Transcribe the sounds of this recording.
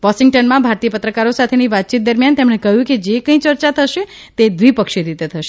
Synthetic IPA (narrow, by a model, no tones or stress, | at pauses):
ʋɔʃiŋɡʈənmãbʱaɾt̪ijəpət̪ɾəkaɾosat̪ʰeniʋat̪̚ːt͡ʃit̪̚d̪əɾmjant̪emɽ̃ekəɦjũked͡ʒekə̃ĩt͡ʃəɾt͡ʃat̪ʰəʃe | t̪ed̪ʋipəkʃiɾit̪et̪ʰəʃe